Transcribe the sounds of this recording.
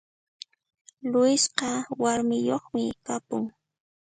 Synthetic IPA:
lʊjɪsqɑwaɾmɪjoχmɪkapʊŋ

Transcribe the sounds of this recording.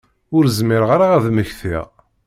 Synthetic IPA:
ʊɾzmɪɾʁaɾaæðməçθḭʁ

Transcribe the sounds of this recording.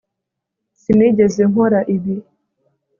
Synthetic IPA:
siniɟezeŋoɾaʔiβji

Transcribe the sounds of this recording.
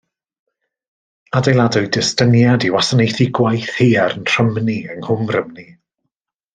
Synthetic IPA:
adejlˠadʊɨdɪstənjadiwasanejθɪɡwajθheːaɾənʰr̥əmniəŋhʊmrəmni

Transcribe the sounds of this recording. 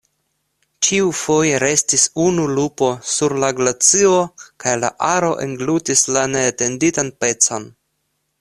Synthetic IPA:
t͡ʃiufo̞jeɾe̞stisunulupo̞suɾlaɡlat͡sio̞kajla̰ʔaɾo̞ʔḛŋɡlutislane̞ːte̞nditanpe̞t͡so̞n

